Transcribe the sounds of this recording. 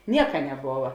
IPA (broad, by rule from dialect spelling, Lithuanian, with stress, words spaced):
ˈnʲiɛkɐ nʲɛˈboːʋɐ